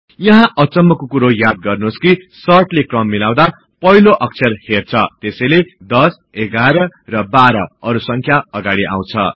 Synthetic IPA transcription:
jʌɦãʔʌt͡sʌmːʌkokuɾojad̪̚ɡʌrnoskisʌrʈlekrʌmːilaw̃d̪a | pʌɦiloʔʌk̚t͡sʰʌrhert͡sʰʌt̪esʌjled̪ʌs | eɡaɾʌrʌbaɾʌʌɾusʌŋkʰjaʌɡaɽiʔa̰w̃t͡sʰʌ̰

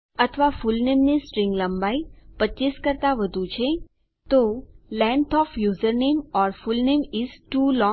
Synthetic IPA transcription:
ɐt̪ʰʋafʊlnẽːmnisʈɾɪ̃ŋɡlə̃mbaːipətːt͡ʃiːskəɾt̪aʋəd̪ʱut͡ʃʰe | t̪olɛ̃ɳɖt̪ʰɔːfʰjuːzəɾneːmɔːɾfʊlneːmɪzʈuːlɔ̃

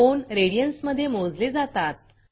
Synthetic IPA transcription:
onɾeɽijənsməd̪ʱːjemod͡zled͡zat̪at̪̚

